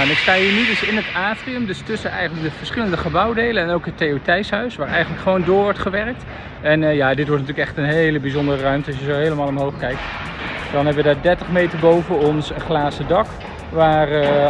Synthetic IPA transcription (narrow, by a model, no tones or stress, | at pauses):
ɛnɪkstaːɦiːɹnydɵsɪnətaːtriəmdɵstɵsənɛ̰jχənlək̚dəv̥əɹsχɪləndəχəbɑwdejlənɛnowkɦətːeotɛjsɦœɥsʋaːɹɛjχənləkχəʋowndʊːɹʋɔɹtχəʋɛrk̚t | ɛnjaːdɪtʋɔɹt̚natyːləkɛχtənɦejləbizɔndərərœɥmtəɑsjəzowɦejləmaːlˠɔmɦowχkɛjk̚t | d̥ɑnɦɛbəʋədaːɹdɛɹtəχmejtəɹbowvənɔnsənχlaːsədɑk | ʋaːr